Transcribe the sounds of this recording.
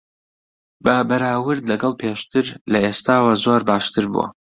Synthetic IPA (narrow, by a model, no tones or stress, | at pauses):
bɐbɐɾaːwɨɾd̪lɐɡɐlˠpʰeːʃt̪ɨɾlɐeːst̪aːwɐzoɾbaːʃt̪ɨɾbṵɐ̰